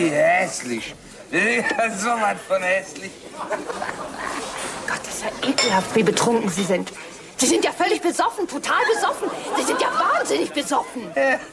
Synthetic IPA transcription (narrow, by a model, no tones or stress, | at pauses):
ihɛslɪç | iazomanfɔnhɛslɪç | ɡ̥ɔt̚d̥asz̥aɪʔeːkl̩haftv̥iːbətʁ̥ʊŋkŋ̩ziːzɪnt | z̥iːzɪntjaːfœlɪçb̥əzɔfn̩tʰotʰaːlbəzɔfn̩z̥iːzɪntjaːvaːnzɪnɪçb̥əzɔfn̩ja